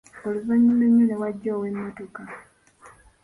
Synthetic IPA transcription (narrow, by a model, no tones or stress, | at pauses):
oluzaɲːuneɲːunewaɟːaːwemːoto̞ka